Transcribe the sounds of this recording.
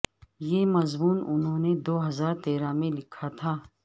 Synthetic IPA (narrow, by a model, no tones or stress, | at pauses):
jeːmɐzmuːnʊnɦõːned̪oːɦɐzaːɾt̪eːɾãmẽlɪkʰat̪ʰaː